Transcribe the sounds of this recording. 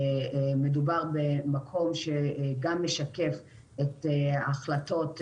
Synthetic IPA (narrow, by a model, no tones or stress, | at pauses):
medubaʁbemakʰo̞mʃeɡamːeʃake̞f | etaχlato̞t